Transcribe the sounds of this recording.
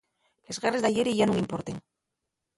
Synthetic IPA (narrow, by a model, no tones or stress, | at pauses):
lezɣarezd̪ajeɾeiʝanuŋimpoɾt̪eŋ